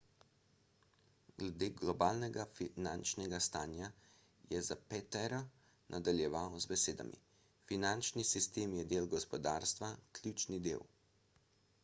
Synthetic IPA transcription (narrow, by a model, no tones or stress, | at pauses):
ɡlɛd̪eːɡlɔbaːlnɛɡafinant͡ʃnɛɡast̪aːnja | jɛzapɛt̪ɛɾɔ | nʔad̪aljɛʋawzbɛseːd̪a̰mḭ | finant͡ʃnisist̪eːmjɛd̪eːlɡɔspɔd̪a̰ːɾst̪ʋaklʲjut͡ʃnid̪ḛːw